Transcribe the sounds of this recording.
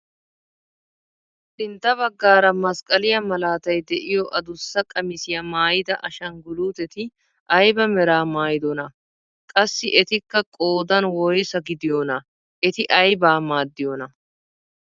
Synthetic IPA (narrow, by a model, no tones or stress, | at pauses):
t̪ɪnt̪ːɐβɐɡːaːɾɐmɐskʼɐlɪjɐmɐlaːt̪ɐjd̪ɛʔɪjɔʔɐd̪ʊsːɐkʼɐmɪsɪjɐmaːjɪd̪ɐʔɐʃɐŋɡʊluːt̪ɛt̪ɪ | ʔɐjbɐmɛɾaːmaːjd̪ɔnɐ | kʼɐsːɪʔɛt̪ɪkːɐkʼoːd̪ɐnwɔjsɐɡɪd̪ɪjonɐ | ʔɛt̪ɪʔɐjbaːmaːd̪ːɪjɔnɐ